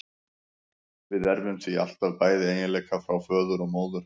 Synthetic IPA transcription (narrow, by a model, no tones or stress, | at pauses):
vɪðɛɾvʏmθvia̰l̥t̪aðpaːjðɪeːjɪleːjkafɾawfœːðʏɾɔɣmoːwðʏɾ̥